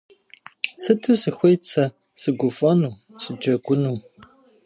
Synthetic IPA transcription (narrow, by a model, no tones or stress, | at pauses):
sɨtʰusɨxʷejt͡sʰɐ | sɨɡʷʊfɔnuː | sʰʼɨd͡ʒɐɡʷʊnuː